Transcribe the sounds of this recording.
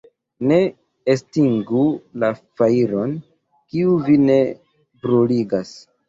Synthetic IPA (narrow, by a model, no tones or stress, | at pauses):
ne̞ | estiŋɡulafaiɾo̞n | kiuvine̞ | bɾuliɡas